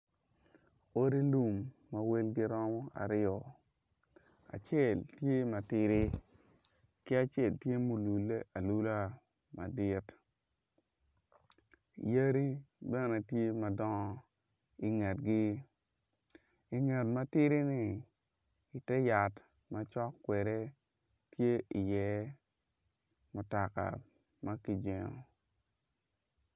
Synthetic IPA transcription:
o˦ɾi˦nu˨mː | a˨we˦lɡɪ˦ɾɔ˦mɔ˦a̰˨ɾɪ˦ɔ˨ | a̰˨t͡ʃjɛ˦˨ltje˦ma˨tɪ˦ɾɪ˦ | kɪ˦a˨t͡ʃe˨ltje˦mo˨lu˨lːe˦ʔa˨lu˦la˦ | ma̰˨dɪ˦t | jə˦ɾi˦bɛ˦nɛ˨tje˦ma˨dɔ˦ŋɔ˦ | i˨ŋɛ˨t̚ɡɪ˦ | i˨ŋɛ˨tma˦tɪ˦ɾi˦nɪ˨ | i˨tɛ˦ja˨t | ma˦t͡ʃɔ˦kːwɛ˨ɾɛ˦ | tje˦i˨jɛ˨˦ | mʊ˨ta˨ka̰˨ | ma˦ki˨d͡ʒɛ˨ŋɔ̰˨

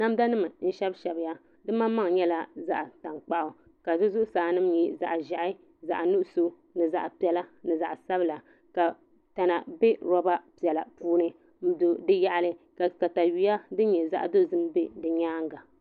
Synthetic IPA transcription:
na˦m˦da˦nɨ˦mɨ˨n̩˦ʃɛ˦bʃɛ˨bɪ˦ja˦ | dɨ˦ma˦ma˦ŋ˨ɲɛ˦la˦za̰˦ʔa˨ta˨ŋk͡pa˦ʔʊ˨ | ka˨zɨ˦zʊ˦ʔʊ˦saː˨nɨ˦m˦ɲi˦za̰˨ʔʒa˨ʔɪ˦ | za̰˨ʔnu˦ʔʊ˦so˦ | nɨ˨za˨ʔpi˨ɛ˨la˦nɨ˨za˨ʔsa˦bla˨ | ka˨ | ta˨na˨be˦ɾɔ˦ba˦pi˨ɛ˨la˨puː˦nɨ˦ | m̩˦do˨dɨ˦ja˦ʔlɨ˦ka˨ka˨ta˨ji˦ja˦dɨ˦ɲɛ˨za̰˦ʔdo˦zɨ˦m˦be˦dɨ˨ɲaː˦ŋ˦ɡa˨

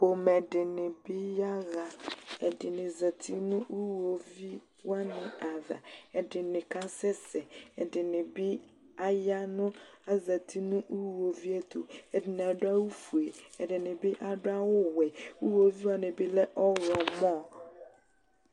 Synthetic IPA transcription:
b̥o˨mɛ˨dɪ˨nɪ̃˨bi˦ja˦ɣa˨ɛ˨dɪ˨nɪ̃˨za˨t̪ʰi˦nʊ̃˦u˦wo˨vi˦ | wa˦nɪ̃˨a˨ða̰˨ɛ˨dɪ˨nɪ̃˨kʰã˦sɛ˦sɛ˨ɛ˨dɪ˨nɪ̃˨bi˦ | a˦ja˦nʊ̃˦a˦za˨tʰi˦nʊ̃˦ʔu˦˨wo˨vi˦ɛ˦t̪ʰo˨ɛ˨dɪ˨nɪ̃˨a˨dʊ˦a˦wʊ˦fu˨e˨ɛ˨dɪ˨nɪ̃˨bi˦ʔa˨dʊ˦a˦wʊ˦wɛ˨u˦o˨vi˦wa˦˨nɪ̃˨bi˦lɛ˦ʔɔ˦ɾɔ˨mɔ̃˦˨

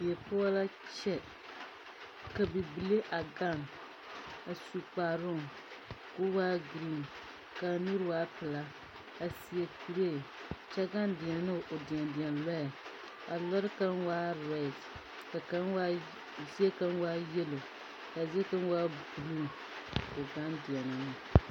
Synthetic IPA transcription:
ɛ˨pʊ˦a˦la˦t͡ʃɛ˦ | ka˨bɨ˨bi˨le˦ʔa˨ɡa˦n | a˨su˨k͡paː˨ɾʊ˦˨ŋ | ko˦waː˦ɡɾi˦n˨ | ka˨nu˦ɾɨ˦waː˦pɨ˨la˦ | a˨si˨ɛ˨ku˨ɾe˦˨t͡ʃɛ˦ɡa˦ndɪ˨ɛ˨n˦nɨ˦˨ʔo˨di˨ɛ˨ndɪ˨ɛ˨nlɔ˦a˨ | a˨lɔ˦ɾɨ˦ka˦n˦waː˦ɾa˨˦˨t | ka˨ka˦nwa˦ | zi˦ɛ˦ka˦n˦waː˦jɛ˦lo˨ | ka˨zɛ˦ka˦n˦waː˦bu˨lu˦˨ŋ | o˨ɡa˦ndi˨ɛ˨nɨ˦nɨ˦

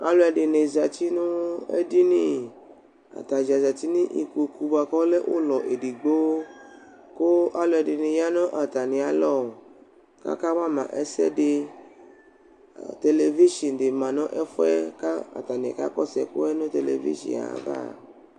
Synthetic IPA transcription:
a˦lo˦ɛ˧dɪ˨ne˨za˨t͡ʃi˦nũ˦ɛ̰˦di˦nĩ˦ | a̰˨t̪a˨za˨za˨ti˦nĩ˦ʔi˨ko˨ku˨˦ba˧kɔ˦lɛ˦ʔo̰˦lɔ˨ʔe˨di˨ɡ͡bo˦ | ko˦ʔa˦lo˧ɛ˧˨dɪ˨ne˨ja˦nɔ̃˦ʔa˨ta˨nĩ˨a˨˦lɔ˦˨ | ka̰˦ka˦mã˦mã̰˨ʔɛ˦sɛ̰˦de˧˨ | t̪e˨˧le˨vi˦ʃi˨n˨de˨mã˨nɔ̃˦ʔɛ˦fu˦ɛ˦ka˦a̰˨ta˨nĩ˨ɛ̰˨ka̰˦kɔ˦˨sɛ˨ko̰˦ɛ˦nõ˦te˨le˨vḭ˦ʃḭ˨a̰˨va̰˦˨

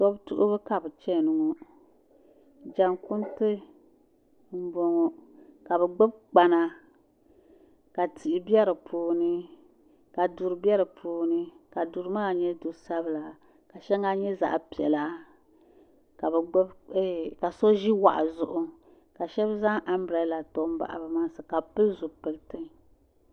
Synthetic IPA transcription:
sɔ˦btṵ˦ʔʊ̰˦bɨ˦ka˨bɨ˨t͡ʃɛ˦˨nɨ˨ŋɔ˦ | d͡ʒa˨ŋkʊ˦ntɨ˦ | m̩˦bɔ˨ŋɔ˨ka˨bɛ˨ɡ͡bʊ˦b̚k͡pa˨na˨ | ka˨tʰi˨ʔɪ˨bjɛ˦ɾɨ˨pʰoː˨nɨ˦ | ka˨du˨ɾɨ˨bɛ˦ɾɨ˨pʰoː˨nɨ˦ka˨du˨ɾɨ˦maː˦˨ɲɛ˦du˨sa˦bɨ˨la˨ | ka˨ʃɛ˦ŋa˦ɲɛ˦za̰˨ʔpi˨ɛ˨la˦ | ka˨bɛ˨ɡ͡bɛ˦bɛ˦ka˨so˦ʒi˦wa̰˨ʔa̰˨zʊ˨ʔʊ˦ | ka˨ʃɛ˦bza˦ʔa˦mbɾɛ˨˦la˨to˦m̩˦ba̰˨ʔa̰˨bɨ˨ma˦ŋsɨ˨ka˨pɨ˦lzʊ˨pɨ˨ltɨ˦ŋ

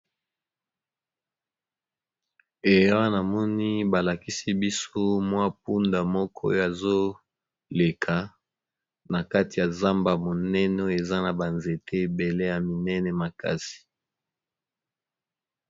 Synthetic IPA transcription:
e˨jwa˦na˨mɔ˦ni˦ba˨la˨ki˦si˦bi˦so˦mwa˦p̚u˦nda˨mɔ˦kʰɔ˦jo˦a˨zo˦ | le˨kʰa˨ | na˨ka˦ti˨ja˨za˦mba˨mo˨nɛ˦n˦o˦e˨za˦na˨ba˨nze˨tʰe˦e˨be˨le˦ja˨mi˨nɛ˦nɛ˨ma˨ka̰˦si̥˨

